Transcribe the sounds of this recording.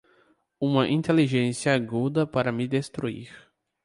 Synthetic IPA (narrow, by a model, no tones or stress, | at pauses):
ũmɐʔĩnt̪eliʒẽsjɐaɡud̪ɐpaɾɐmid̪est̪ɾuḭɾ